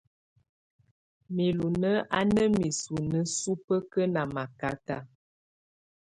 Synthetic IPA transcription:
mi˨lu˨nə˦ʔa̰˦nə˦mi˨su˨nə˦su˦pə˦kə˦na˨ma˨ka˦ta˦

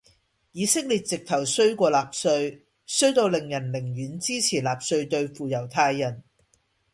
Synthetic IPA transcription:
jiː˨˥sɪ˥k̚liː˨t̚t͡sɪ˨k̚t̪ʰɐ˨˩wsɵ˥ɥkʷɔː˧laː˨p̚sɵ˧ɥ | sɵ˥ɥt̪o˧wlɪ˨˩ŋjɐ˨˩nlɪ˨˩ŋjyː˨˥nt͡siː˥t͡sʰiː˨˩laː˨p̚sɵ˧ɥt̪ɵ˧ɥfuː˨jɐ˨˩wt̪ʰaː˧jːɐ˨˩n

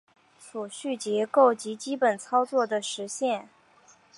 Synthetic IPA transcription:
su˨˩ɕy˥˩t͡ɕjɛ˧˥ko˥˩ʊt͡ɕi˧˥t͡ɕi˥pə˨˩nt͡sʰɑ˥ʊt͡swɔ˥˩d̪ə˩ʂɻ̩˧˥ɕjɛ˥˩n

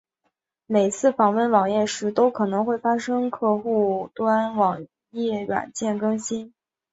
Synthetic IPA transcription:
me˨˩ɪt͡sʰɹ̩˥˩fɑ˨˩ŋwə˥˩nwɑ˨˩ŋjɛ˥˩ʂɻ̩˧˥t̪o˥ʊkʰɤ˨˩nɤ˧˥ŋxwe˥˩ɪfa˥ʂɤ˥ŋkʰɤ˥˧xu˥˩t̪wa˥nwɑ˨˩ŋ | jɛ˥˩ɥa̰˨˩nt͡ɕjɛ˥˩nkɤ˥ŋɕi˥n

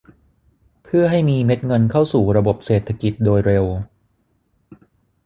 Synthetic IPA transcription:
pʰɯ˥˩ɐɦa˥˩jmiː˧me˦˥t̪̚ŋɤ˧nkʰa˥˩wsuː˨˩ɾa˧bo˨˩p̚seː˨˩t̪ʰːa˧ki˨˩t̪̚doː˧jɾe˧w

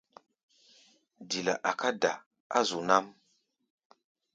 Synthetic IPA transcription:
di˨la̰˨ʔa˨ka˦da˨ | a̰˦zu˨na˦m

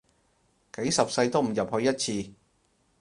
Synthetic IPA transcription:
ke˨˥jsɐ˨p̚sɐ˧jt̪o˥wm̩˨˩jɐ˨p̚hɵ˧ɥjɐ˥t̚t͡sʰiː˧

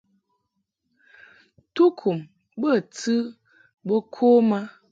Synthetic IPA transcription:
tu˦kʰu˨m | bə˦˨tɨ˦ | bo˦kʰo˦ma˦

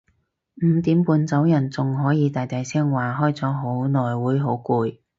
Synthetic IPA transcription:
m̩˨˧t̪iː˨˥mpuː˨˧nt͡sɐ˨˥wjɐ˨˩nt͡sʊ˨ŋɦɔː˨˥jiː˨˧t̪aː˨jt̪ɐ˨jsɛː˥ŋwaː˨ɦɔː˥jt͡sɔː˨˥ɦo˨˥wnɔː˨jwuː˨˥jɦo˨˥wkuː˧j

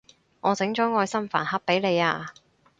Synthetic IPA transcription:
ŋɔː˨˧t͡sɪ˨˥ŋt͡ʃɔː˨˥ŋɔː˧jsɐ˥mfa̰ː˨˩nhɐ˥p̚pːe˨˥jle˨˧jaː˧

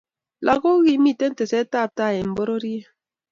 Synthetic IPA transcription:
lʔa˨ɣo˦ɣi˦mi˦˨te˦n̩˦te˨se˦ta˦˨ta˦˨e˨m̩˨bo˦ɾo˦ɾi˦e˦

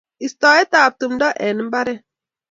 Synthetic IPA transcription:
i˨stɔ˨ɛ˦taː˨p̚tu˨mdɔ˦ʔɛ˨n˦m̩˦ba˦ɾɛ˦

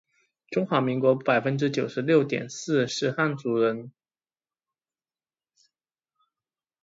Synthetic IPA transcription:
ʈ͡ʂʊ˥ŋxwa˧˥mi˧˥ŋkwɔ˧˥pa˨˩ɪfə˦˥nʈ͡ʂɻ̩˥t͡ɕjo˨˩ʊʂɻ̩˧˥ljo˥˩ʊt̪jɛ̰˨˩nsɹ̩˥˧ʂɻ̩˥˧xa˥˩nt͡su˧˥ɻə˧˥n

